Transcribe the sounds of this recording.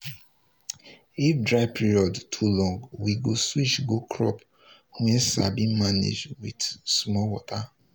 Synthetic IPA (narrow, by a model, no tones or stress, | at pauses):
ifdɹaɪpʰiɹiɔdtʰulɔ̃ŋɡwiɡoswit͡ʃɡokʰɹɔp | wɛ̃sa̰bĩmanḛd͡ʒdwidsmɔwɔtʰa